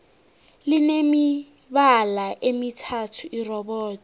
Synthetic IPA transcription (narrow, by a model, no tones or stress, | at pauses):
linemi | βalaʔemitʰatʰuʔirɔbɔːtʰʼɔ̥